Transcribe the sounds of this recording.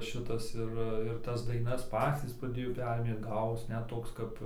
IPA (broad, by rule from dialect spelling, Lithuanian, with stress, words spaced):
ˈʃʲɪtɐs ˈɪr ɪr ˈtɐs dɐɪˈnɐs ˈpɑːt͡sʲiːs prɐˈdʲeːjoː ˈpʲæːrʲeːmʲeː ˈɡɑːʋoːs ˈnʲɛt ˈtoːks ˈkɐp